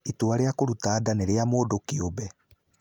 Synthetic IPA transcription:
itoaɾeakoɾutaːdaneɾeamoːdokiobɛ

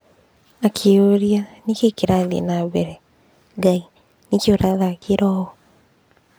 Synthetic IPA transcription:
akʰeoɾianikekeɾaðḛnaβɛɾɛ | ŋɡai | nekjoɾaɣakeɾɔɔ

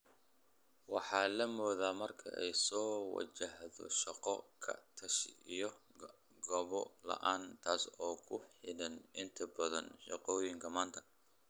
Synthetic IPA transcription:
wɑħɑːlɐmɔːðaːmɐrkʰɐ̰ʔɛjsɔːwɑ̰t͡ʃɐhðɔ̰ʃɐqɔkʰɐ̰t̪ʰɐʃijɔ | ɡɐβɔlɐ̰ʔaːnt̪ʰaːsɔːkʰʊħɪɽɐnɪnt̪ʰɐbɐðɐnʃɑ̰qɔːjɪŋkʰɐmaːnt̪ʰɐ̥

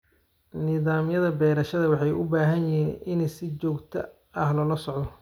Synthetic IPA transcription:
nɪðaːmjɐðɐbɛːɾɐʃɐðɐwɑħɑjʔʊbaːɦɐnjɪɦiːnʔɪnsɪt͡ʃɔːɡt̪ʰɐ̰ | ɐhlɔlɐsɔʕd̪ɔ

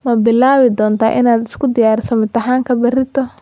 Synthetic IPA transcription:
mɐbɪlaːβɪd̪ɔːnt̪ʰa̰ːʔɪnaːd̪ɪskʰʊd̪ɪjaːɾɪsɔmɪt̪ɐħaːŋkʰɐbɪrɪt̪ʰɔ

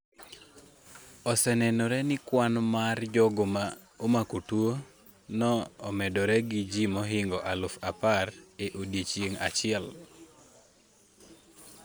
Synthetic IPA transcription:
ɔsɛnɛnɔɾɛnɪkwanmard͡ʒɔɡoma | omakutuo | nɔːmɛdɔɾɛɡid͡ʒimɔɦɪŋɡɔʔalʊfapareʔodjet͡ʃjeŋa̰t͡ʃɪɛl

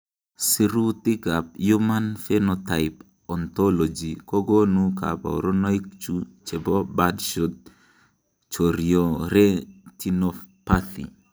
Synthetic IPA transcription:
siɾut̪iɡap̚jumanfenɔt̪aɪp | ɔnt̪ɔlod͡ʒikɔɡonuka̰pa̰o̰ɾɔnɔik̚t͡ʃut͡ʃebɔbadʃot̪̚ | t͡ʃoɾjoɾɛtinofpat̪ḭ

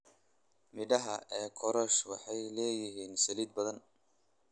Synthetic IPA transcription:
mɪɖɐɦɐɛːkʰɔɾɔʃwɑħɑjlɛːjɪɦiːnsɐliːd̪̚bɐðɐn

